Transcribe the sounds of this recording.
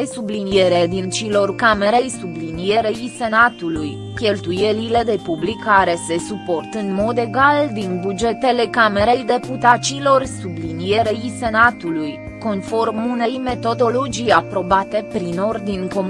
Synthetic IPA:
esublinijeɾed̪int͡ʃilo̞rkame̞ɾe̞jsublinije̞ɾe̞ise̞nat̪uluj | kʲe̞lt̪uje̞lile̞d̪e̞publikʰːaɾe̞se̞supo̞rt̪ɨnmo̞d̪e̞ɡald̪inbud͡ʒe̞t̪e̞le̞kame̞ɾe̞jd̪e̞put̪at͡ʃilo̞rsublinije̞ɾe̞jse̞nat̪uluj | ko̞nfo̞rmune̞jme̞t̪o̞d̪o̞lo̞d͡ʒijapɾo̞bat̪e̞pɾino̞rd̪inʲko̞m

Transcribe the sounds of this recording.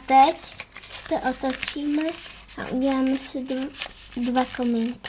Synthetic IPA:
at̪ɛcst̪oʔot̪ot͡ʃiːmɛ | ʔa̰ʔṵɟɛlaːmɛsɪ | dvakomɪŋkɪ

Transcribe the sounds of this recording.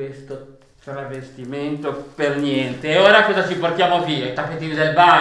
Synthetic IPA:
kwest̪o | ravest̪iment̪opernjɛnt̪eoːɾakɔːzat͡ʃiport̪jaːmoviːait̪apːet̪inid̪elba

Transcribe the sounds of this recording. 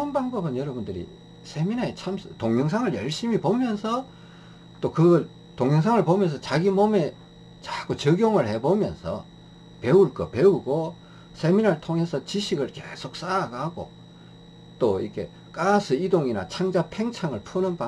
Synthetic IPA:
nbaŋbʌbɯnjʌɾʌbundɯɾḭ | sʰe̞minaet͡ɕʰamsɯtoŋjʌŋs̬ʰaŋɯɭjʌɭɕ͈imipomjʌnsʰʌ | t͈okɯɡʌɭ | toŋjʌŋs̬ʰaŋɯɭpomjʌns̬ʰʌt͡ɕaɡimome̞ | t͡ɕak͈ʰot͡ɕʌɡjoŋɯɭhe̞bomjʌ̰nsʰʌ̰ | peuɭk͈ʌ̰peuɡo | sʰeminaɾɯɭtʰoŋe̞sʰʌt͡ɕiɕʰiɡɯɭke̞sʰok̚s͈aɾaɡaɡo̰ | t͈oikʰe̞ | k͈asʰɯidoŋina̰t͡ɕʰaŋd͡ʑapʰeŋt͡ɕʰaŋɯɭpʰunɯnpa

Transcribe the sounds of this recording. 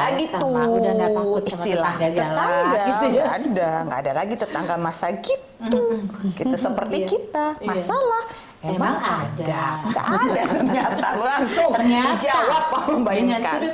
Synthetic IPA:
aɡit̪u | ist̪ilah̪ət̪aŋɡaɡaːdaŋɡa̰ːdalaɡit̪ət̪aŋɡalmasaɡit̪ukit̪asəpərt̪ikit̪amasalah | memaŋadada̰ʔadaɲat̪alulaŋsʊŋdid͡ʒawap̚ːaməmbaiŋkan

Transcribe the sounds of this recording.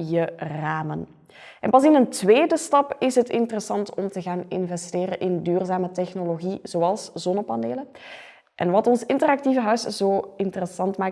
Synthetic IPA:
jəraːmən | ʔɛ̰npɑsɪnəntʋeːdəstɑpɪsɦətɪntərəsɑntʰɔmtəɣaːnɪ̰nvɛsteːɾənʔɪndyːrzaːmətɛxnoloɣiz̥oɑlˠszɔnəpɑneːlə | ʔɛ̰nʋɑtɔnsɪntərɑk̚tivəɦœɥszoːɪntərəsɑntmaː

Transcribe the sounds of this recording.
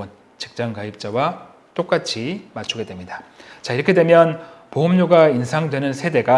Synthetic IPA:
ʌn | t͡ɕi̥k̚t͡ɕ͈aŋkaip̚t͡ɕ͈awa | t͈ok͈at͡ɕʰimat͡ɕʰuɡe̞dwe̞mɲidat͡ɕaiɾʌkʰe̞dwe̞mjʌnpoɦɯmɲoɡainsʰaŋdwe̞nɯnsʰe̞de̞ɡa

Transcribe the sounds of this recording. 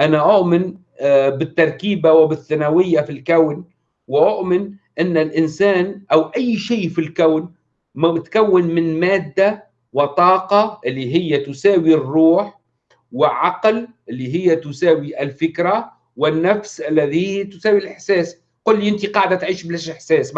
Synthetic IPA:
ʔanaʔʊʔmɪn | bɪt̪ːɑɾˤkiːbawɪbɪθːanawɪjːafilkawn | wɪʔʊʔmɪnʔɪnːɪlʔɪnsæːnʔawʔajːʃiːfilkawn | mmɪt̪kawːɪnmɪnmaːd̪ːa | wɪt̪ˤɑːqɑʔɪlːiɦɪjːat̪ʊsæːwirːuːħ | wɪʕɑqlʔɪlːiɦɪjːæt̪ʊsæːwiʔɪlfɪkɾa | wɪnːafsʔalːæðit̪ʊsæːwilʔɪħsæːs | qʊlːiʔɪnt̪iqɑːʕd̪at̪ʕiːʃbɪlæʃʔɪħsæːs

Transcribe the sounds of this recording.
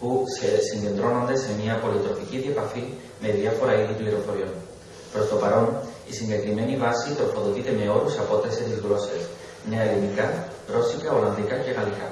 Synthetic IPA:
pusesiɲɟe̞nd̪ɾonond̪esemiɐpo̞lit̪ɾoficiðiepafi | me̞ðiafo̞ɾaiðipleɾofo̞ɾion | pɾo̞st̪o̞paɾo̞nisiɲɟe̞kɾime̞nivasit̪ɾo̞foðocit̪e̞me̞o̞ɾusapo̞t̪esesizɣlo̞ses | nealimika | ɾo̞sikaoland̪ikace̞ɣalika

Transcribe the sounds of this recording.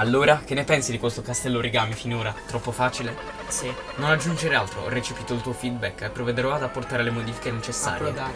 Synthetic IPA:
alːoːɾak̟enːepɛnsid̪ikwest̪okast̪ɛlːoɾeɡaːmifinoːɾat̪ɾɔpːofaːt͡ʃile | nonad͡ʒːund͡ʒeɾealt̪ɾo̰ɔ̰rːet͡ʃipiːt̪oilt̪uːofid̪̚bɛkːepːɾoved̪eɾɔad̪apːort̪aːɾelemod̪iːfi̥kenet͡ʃesːa̰ːɾje

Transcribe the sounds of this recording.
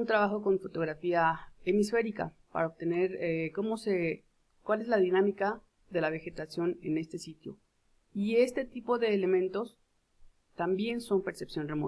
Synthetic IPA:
unt̪ɾaβaxo̞ko̞ɱfo̞t̪o̞ɣɾafiaemisfe̞ɾika̰ | pa̰ɾaoβ̚t̪e̞ne̞ɾeko̞mo̞se | kwale̞zlaðinamika | ðe̞laβ̞e̞xe̞t̪asjo̞ne̞ne̞st̪e̞sit̪jo̰ | ie̞st̪e̞t̪ipo̞ðe̞ːle̞mẽ̞nt̪o̞s | t̪ambje̞nso̞mpe̞ɾsepsjo̞nremo

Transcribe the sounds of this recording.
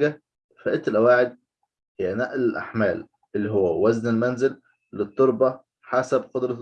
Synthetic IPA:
ɡæ | fæʔet̪ːelʔæwaːʕed̪̚ | hejænæʔlelʔa̰ħmæːl | ʔelːiɦowːæwæznelmænzɪlː | et̪ˤːoɾˤbɑ | ħasæbqod̪ɾˤɑ

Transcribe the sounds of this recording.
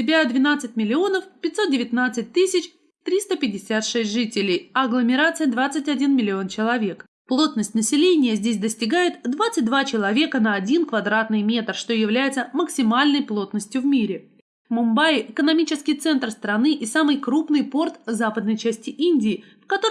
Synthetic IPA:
ɪbʲad̪vʲɪnat̪sɨt̚ʲmʲɪlʲɪo̞nəfpʲɪtʲso̞t̪̚dʲɪvʲɪt̪ʲnat̪sɨt̚ʲt̪ɨsʲɪt͡ɕ | t̪ɾʲist̪əpʲɪdʲɪsʲat̪ʂɛsʲtʲʐɨtʲɪlʲɪjɐɡlˠəmʲɪɾat̪sɨjəd̪vat̪sɨtʲɐdʲinmʲɪlʲɪo̞nt͡ɕɪlˠɐvʲe̞k | plˠo̞t̪nəsʲtʲnəsʲɪlʲenʲɪjəzʲdʲes̬ʲd̪əsʲtʲɪɡajɪt̪d̪vat̪sɨt̚ʲd̪vat͡ɕɪlˠɐvʲe̞kənəɐdʲinkvɐd̪ɾat̪nɨjmʲe̞t̪rʂt̪o̞jɪvlʲæjɪt̪səməksʲɪmalʲnəjplˠo̞t̪nəsʲtʲjʊvmʲiɾʲɪ | mʊmbajɪkənɐmʲit͡ɕɪskʲɪjt̪sɛnt̪rst̪ɾɐnɨʔɪsamɨjkɾupnɨjpo̞rt̪zapəd̪nəjt͡ɕæsʲtʲɪʔinʲdʲɪː | fkɐt̪o

